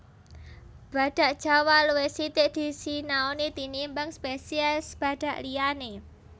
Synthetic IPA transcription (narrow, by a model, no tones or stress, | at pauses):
b̥ä̤d̪̥ä̤ʔd̥ʒ̥a̤waluwesit̪ɪʔd̪̥i̤sinaonit̪inimbəŋspesiɛsb̥ä̤d̪̥ä̤ʔliane